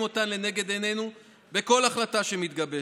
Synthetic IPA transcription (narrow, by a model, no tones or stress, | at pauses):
mo̞t̪anle̞ne̞ɡe̞d̪e̞ne̞nu | be̞ko̞laχlataʃe̞mit̪ɡɐbe